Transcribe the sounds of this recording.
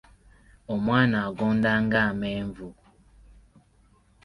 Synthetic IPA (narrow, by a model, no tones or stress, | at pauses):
ɔmwanaɡɔndaŋɡamɛɱvu